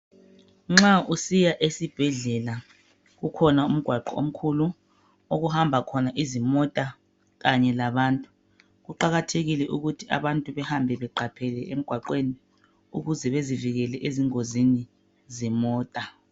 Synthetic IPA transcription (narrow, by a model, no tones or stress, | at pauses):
ŋ͡ǁausijaʔesib̥ʱɛɮɛla | ɣukʰɔnaum̩ɡ̥ʱwaǃɔo̰m̩kʰulu | oɣuhambʱakʰɔnaʔizimɔtʼa | ɣaɲɛlaβaːntʼu | ɣuǃaɣatʰeɣilɛʔuɣutʰiʔa̰βantʼuβɛhambʱɛβɛǃapʰɛlɛem̩ɡ̥ʱwaǃweni | uɣuzɛβeziviɣɛlɛʔeziŋozini | zɛmɔːtʼa